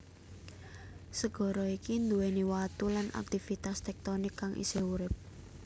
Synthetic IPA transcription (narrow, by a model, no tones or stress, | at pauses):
səɡ̥ɔ̤ɾɔikind̪uweniwat̪ulanʔa̰k̚t̪ifit̪ast̪ɛk̚t̪ɔnɪkːaŋʔḭseuɾɪp̚